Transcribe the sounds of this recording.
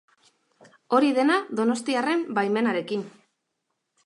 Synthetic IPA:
o̞ɾiðe̞naðo̞no̞st̪iare̞mbajme̞naɾe̞kin

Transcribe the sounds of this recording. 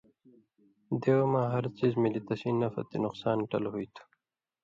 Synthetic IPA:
d̪ewmãːɦɐɾt͡sizmilit̪ɐsinːɐfɐ̰t̪inʊqsɑːnʈɐlhujt̪ʰu̥

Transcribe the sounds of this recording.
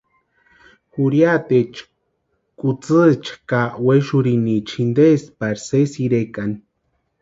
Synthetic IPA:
xuɾjat̪et͡ʃ | kʼut͡sɨt͡ʃkaweʃuɾinit͡ʃʰind̪espaɾsesiɾekan

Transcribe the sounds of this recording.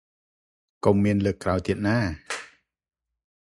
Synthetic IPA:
komːiənləːkːraɔjt̪iət̪̚naː

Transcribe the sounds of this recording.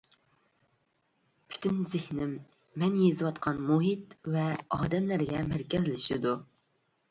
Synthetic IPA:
pʰy̥t̪ʰynzɪhnɪmː | ɛnjezɨwɑt̪qʰɑnmuɦit̪vɛɑːd̪ɛmlæɾɡʲɛmæɾkʲɛzlɪʃid̪u

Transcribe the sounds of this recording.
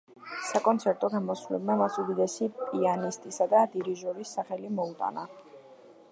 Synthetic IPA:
sakʼɔnt̪sʰɛɾt̪ʼɔɡamɔsvulɛbmamasud̪id̪ɛsipʼianist̪ʼisad̪ad̪iɾiʒɔɾisːaχɛlimɔut̪ʼa̰na

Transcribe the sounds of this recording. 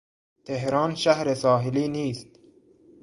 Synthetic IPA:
t̪ʰeɦɾɑːnʃæhɾesɒːɦeliːniːst̪

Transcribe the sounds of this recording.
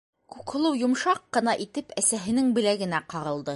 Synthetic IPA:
kʉkhŏlˠɤwjŭmʃɑqqːɤ̆nɑʔit̪ɘpæsæɦɘ̆nɘŋbɘ̆læɡɘ̆næqɑɾɤ̆lˠd̪ɤ

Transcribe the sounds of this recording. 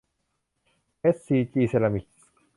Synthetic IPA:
esːiːt͡ʃʼiːselɐmi

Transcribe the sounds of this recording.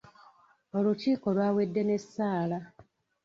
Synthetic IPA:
o̞luciːko̞lwaːwe̞dːe̞ne̞sːaːla

